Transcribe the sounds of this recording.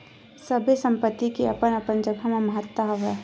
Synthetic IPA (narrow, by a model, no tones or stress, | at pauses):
səbʱesɐ̃mpət̪ːikiɐpənɐpənd͡ʒəbʱɦɐmaməɦət̪waɦɐʋɛ